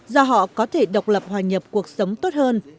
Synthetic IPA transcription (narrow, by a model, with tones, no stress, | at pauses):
zɔ˧ɦɔ̰˧˨kɔ˨˦t̪ʰe˧˩ɗə˨˩wk͡p̚lə˨˩p̚hwaː˨˩ɲə˨˩p̚ku˨˩ək̚sə˨˦wŋ͡mt̪o˦˥t̚həː˧n